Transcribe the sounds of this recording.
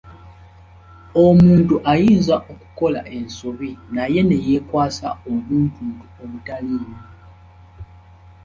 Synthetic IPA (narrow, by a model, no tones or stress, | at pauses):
o̞muːntuʔajiːnzaʔoku̥ko̞la̰ʔe̞nsoβinaje̞ne̞je̞ːkwaːsa̰omuːntuːntuomutaliːni